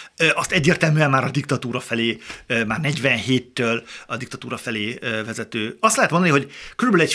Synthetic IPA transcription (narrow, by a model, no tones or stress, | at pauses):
øʔɒst̪ɛɟːeːrt̪ɛlmyːɛmmaːɾɒd̪ikt̪ɒt̪uːɾɒfɛleːømaːrnɛɟvɛnheːt̪ːøːlɒd̪ik̚t̪ɒt̪uːɾɒfɛleːøvɛzɛt̪øːɒst̪lɛɦɛt̪mond̪ɒniɦo̞ɟkøɾybølyɛc